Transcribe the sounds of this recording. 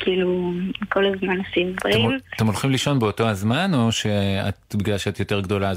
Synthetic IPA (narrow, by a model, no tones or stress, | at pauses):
kʰiːluko̞lazmanosimbʁeimmt̪emolχimliʃo̞nbeo̞to̞hazmano̞ʃea̰tbiɡlalʃeat̪jo̞te̞ʁɡdo̞la